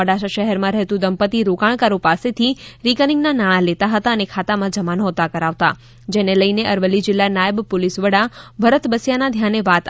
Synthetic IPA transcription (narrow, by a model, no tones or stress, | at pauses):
əɽaʃaʃəɦɛɾmãɾəɦt̪ũd̪əmpət̪iɾokaɳ̃kaɾõpaset̪ʰiɾikəɾnɪ̃ŋɡnanaɽ̃ãlet̪aɦət̪aənekʰat̪amãd͡ʒəmanɦot̪akəɾaʋt̪a̰ | d͡ʒeneləjneʔəɾʋəlːid͡ʒɪlːanajəbpolisʋəɽabʱəɾət̪bəsjanad̪ʱjaneʋat̪